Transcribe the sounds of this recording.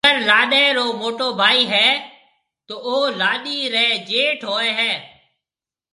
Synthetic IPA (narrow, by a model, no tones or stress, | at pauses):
əɾlaːɗɛ̃ːɾoːmoːʈoːbʱaːiːɦɛː | t̪oːoɦlaːɗiːɾɛːd͡ʒeːʈʰɦoːeːɦɛː